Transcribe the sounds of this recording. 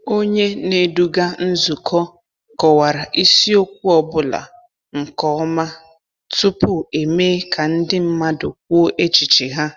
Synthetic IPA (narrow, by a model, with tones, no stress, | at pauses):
o˦ɲe˦ne˦du˦ɡa˦n̩˦zu˨kʰɔ˦ | kɔ˨wa˨ɾa˨ʔi˦si˦o˦k̚ʷu˦ɔ˦bʊ˦la̰˨ | ŋ̩˨kɔ˦ma˦ | tʊ˦pʊ˦e˨meː˦kʰa˨n̩˦dɪ˦m̩˦ma˦dʊ˨k̚ʷo˦o˦ʔe˦t͡ʃi˨t͡ʃi˨ɦa˦